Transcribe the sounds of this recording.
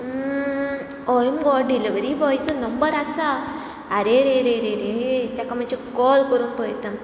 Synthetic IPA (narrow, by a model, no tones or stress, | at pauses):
ɔjumɡɔɖiliʋəɾibɔjt͡sɔnɔmbəɾasaː | ɾeɾeɾeɾeɾeet̪jakamad͡ʑikɔlkəɾunpəjt̪am